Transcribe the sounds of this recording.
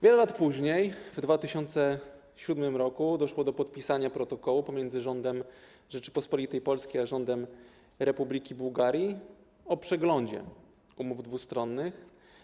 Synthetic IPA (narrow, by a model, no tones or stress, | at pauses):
vʲjɛlɛlat̪puʑɲejvd̪vat̪ɘɕɔnt̪sɛ | ɕud̪mɘmɾɔkud̪ɔʂwɔd̪ɔpɔt̪̚pʲisaɲapɾɔt̪ɔkɔwupɔmʲjɛnd̪zɘʐɔnd̪ɛm | ʐɛt͡ʂɘ̥pɔspɔlʲit̪ɛjpɔlskʲejaʐɔnd̪ɛm | ɾɛpublʲikʲibuwɡaɾʲji | ɔpʂɛɡlɔɲd͡ʑɛ̰ | umuvd̪vust̪ɾɔnːɘx